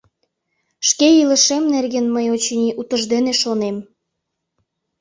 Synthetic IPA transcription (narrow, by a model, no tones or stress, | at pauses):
ʃkeiləʃemnerɣenməjot͡ɕinʲiʔut̪əʒd̪eneʃonem